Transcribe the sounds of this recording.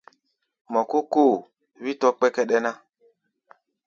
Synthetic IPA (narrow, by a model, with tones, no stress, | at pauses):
mɔ˨ku˦ko˦˨ | βi˦tɔ˦k͡pɛ˦kɛ˦ɗɛ˦na˦